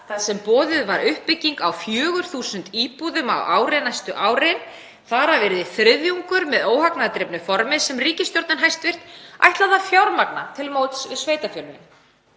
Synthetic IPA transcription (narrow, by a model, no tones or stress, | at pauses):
θaðsɛmpɔːðʏðvaɾʏhpːɪcːiŋkawfjœːɣʏɾ̥θuːsʏnt̪iːpuðʏma̰waːwɾenajst̪ʏʔaːwɾen | θaɾavɛːɾɪðɪθɾɪðjuŋkʏɾmɛðoːwhaknaðt̪ɾɪpnʏfɔɾmɪðsɛmriːcɪst̪jɔɾt̪nɪnɦajst̪vɪr̥t̪a̰jht̪laðafjawɾmakna̰t̪ʰɪlmowt̪svɪsveːjt̪afjœlmɪ̰n